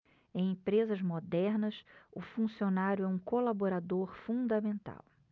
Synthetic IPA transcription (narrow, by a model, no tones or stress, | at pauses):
ẽj̃ẽpɾezɐzmod̪ɛɾnɐsʊ̰fũsionaɾjʊɛũkolaboɾad̪oɾfũd̪ɐmẽnt̪a̰w